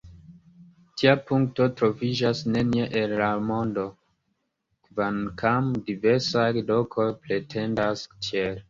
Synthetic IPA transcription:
tʰiapuŋk̚to̞tɾo̞vid͡ʒasne̞nieʔenːamo̞ndo̞ | kvankʰamdiveɾsajlo̞kʰo̞jpɾe̞tʰe̞ndastiel

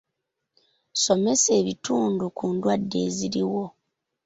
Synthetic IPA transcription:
so̞me̞se̞ːβituːndukuːndwadːe̞̰ːziɾiwo̞

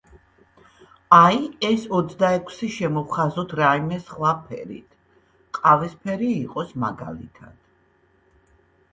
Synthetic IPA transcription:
aiɛsɔt̪sʰd̪aɛkʰsiʃɛmɔvχazɔt̪ʰɾaimɛsχlapʰɛ̰ɾḭt̪ʰ | qʼavɛspʰɛɾiːqʼɔsmaɡa̰lḭt̪ʰa̰d̪̥

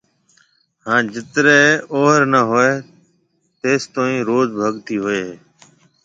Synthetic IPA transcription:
hãːd͡ʒɪt̪ɾeːoːɦəɾnəɦoeː | t̪eːst̪õːĩːɾoːzbʱəɠt̪iːɦoeː

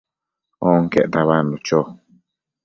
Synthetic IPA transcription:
ɔŋkɛ̰ʔt̪aβandut͡ʃɔ

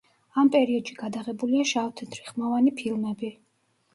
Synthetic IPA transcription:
ampʼɛɾiɔd̪̥ʃiɡad̪aʁɛbuliaʃavt̪ʰnd̪ɾiχmavanipʰilˠmɛbi

